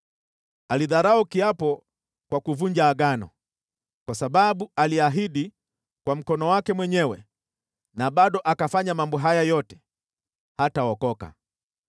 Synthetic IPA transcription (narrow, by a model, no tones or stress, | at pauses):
aliðaɾaukiapɔ | kwakuvund͡ʒaːɡanɔ̰ | kwasaɓaɓualiaɦiɗi | kwam̩kɔnɔwakɛmwɛɲɛwɛ | naɓaɗɔʔakafaɲamambɔɦajajɔtɛ̥ | hataɔkɔka̰